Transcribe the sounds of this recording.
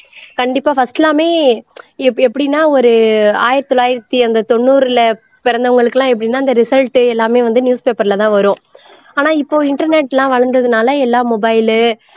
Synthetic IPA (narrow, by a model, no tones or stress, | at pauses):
kɐɳɖɪpːaːfɐsʈɛlaːmeː | ɛɛpːɐɽɪnːaːɔɾɯaːjɪɾɐt̪ːɔlːaːjɪɾɐt̪ːiɐnd̪ɐt̪ɔɳːuːɾɪlɐ | pɛɾɐnd̪ɐʋɐŋɡɐɭɯkːɐlãːɛp̬ːɐɽɪnːaːɪnd̪ɐɾɪsɐlʈːɯɛlːaːmeːʋɐnd̪ɯnjuːspeːpɐɾlɐt̪ãːʋɐɾõː | aːnaːɪpːoːɪɳʈɐɾneʈːlãːʋɐɻɐɾnd̪ɐðɯnaːlɐɛlːaːmɔbɐɪlɯ